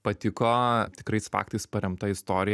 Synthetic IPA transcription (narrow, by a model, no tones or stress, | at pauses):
pɐt̪ʲɪkoːt̪ʲɪkɾɐɪsfɑ̰ːk̚t̪ɐɪspɐɾʲɛmt̪ɐɪst̪oːɾʲɪj